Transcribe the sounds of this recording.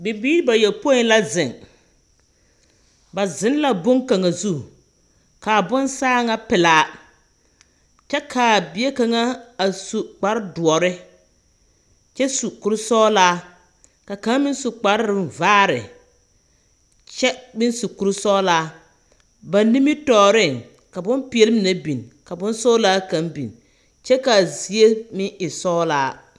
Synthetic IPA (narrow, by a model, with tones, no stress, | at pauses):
bɪ˨biː˦ɾba˨jɛ˨lpo˦ɪ˨n˦la˦zɪ˨ŋ | ba˨zɪ˨˦n˦la˨bʊ˦ŋka˨ŋa˨zu˦˨ | ka˨bʊ˦nsaː˦ŋa˦pɪ˨laː˨˦ | t͡ʃɛ˦kʰaː˨bɪ˨e˦ka˨ŋa˦a˨su˨k͡pa˨ɾɪ˦dʊ˨ɔ˨ɾɪ˦ | t͡ʃɛ˦su˨ku˨ɾʊ˦sɔː˦laː˦ | ka˨ka˦ŋ˦mɪ˦nsu˨k͡pa˨ɾɪ˦ɪ˨vaː˦ɾɪ̰˨ | t͡ʃɛ˦mɪ˦nsu˨ku˨ɾsɔː˦laː˦ | ba˨nː˦i˦mi˦tɔː˨ɾɪ˦˨ŋ | ka˨bʊ˦npi˨e˨lɪ˦mɪ˨na˦bi˨nka˨bʊ˦nsɔː˦laː˦ka˨˦nbḭ˨n | t͡ʃɛ˦ka˨zi˨e˦mɪ̃˦ʔɪ˨sɔː˦laː˦